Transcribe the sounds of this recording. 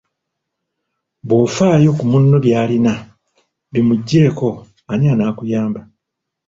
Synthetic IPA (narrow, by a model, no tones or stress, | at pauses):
βo̞ːfaːjo̞kumunːoβjaːlina | βimuɟːe̞ːko̞ | anianaːkujaːmba